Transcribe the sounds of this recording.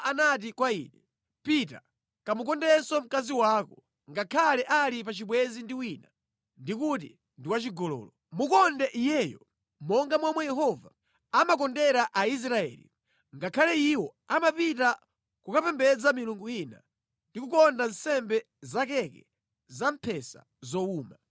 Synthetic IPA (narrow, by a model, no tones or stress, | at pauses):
anat̬ikwaiːnɛ | pita | kamukɔndɛsɔm̩kaziwaːkɔ | ŋɡakʰalɛʔalipat͡ʃiɓwɛzindiwina | ndikut̬i | ndiwat͡ʃiɡɔlɔ̰ːlɔ | mukɔndɛʔijɛːjɔ | mɔŋɡamwamwɛjɛɦɔva | amak̬ɔndɛɾaʔais̬ɾaɛ̰ːlḭ | ŋɡakʰalɛiwɔ | amapita | kukapɛmbɛd͡zamiluŋɡuina̰ | ndikukɔndan̩sɛmbɛ | zakɛkɛ | zampʰɛsa̰ | zɔuːma